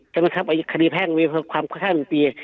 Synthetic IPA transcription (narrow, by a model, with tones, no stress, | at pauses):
t͡ɕa˧˨ma˧˨kʰa˧p̚ʔa˧˨jkʰːdiː˧pʰɛː˥˩˨iː˧pʰɯː˧kʰwaː˧˨mkʰa˧˩kʰaː˥˩n˨˧piː˧